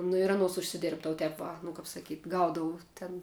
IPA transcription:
nʊ ɪr ɐˈnuɔs ʊʃʲsʲɪˈdʲeːrbdɐʋʊ ˈtʲɛp ʋɐ nʊ kɐp sɐˈkʲiːtʲ ˈɡɐʊdɐʋʊ tʲɛn

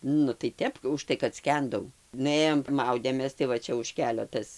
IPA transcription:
ˈnʊ tɐɪ ˈtʲɛp ʊʃˈtɐɪ kɐt ˈsʲkʲɛndɐʊ nʊˈeːjoːm ˈmɐʊdʲeːmʲeːs tɐɪ ˈʋɐ ˈt͡ʃʲɛ ʊʃ ˈkʲæːlʲoː ˈtɐs

